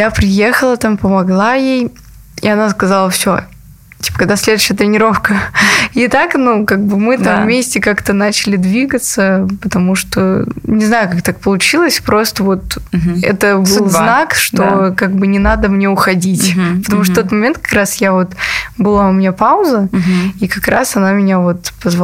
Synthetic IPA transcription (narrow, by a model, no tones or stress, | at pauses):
japɾʲɪjexəlˠət̪ampəmɐɡlˠajej | ḭɐnaskɐzalˠəfsʲo | tʲi̥pə̥kɐɡd̪asʲlʲe̞d̪ʊɕːɪjət̪ʲɾʲɪnʲɪɾo̞fkəɪt̪aknukaɡ̚bɨmɨt̪amvmʲesʲtʲɪkakt̪ənat͡ɕɪlʲɪd̪vʲiɡət̪səpət̪ɐmuʂt̪onʲɪznajʊkak̚t̪ak̚pəlˠʊt͡ɕilˠəsʲpɾo̞st̪əvo̞t̪ɛ̰t̪əbɨlˠznakʂt̪o̞kaɡ̚bɨnʲɪnad̪əmnʲeʊxɐdʲitʲpət̪ɐmuʂ̬t̪t̪ot̪mɐmʲent̪̚kɐ̥kɾasjavo̞t̪bɨlˠaʊmʲɪnʲapaʊzəikɐkɾa̰sɐnamʲɪnʲavo̞t̪pəzv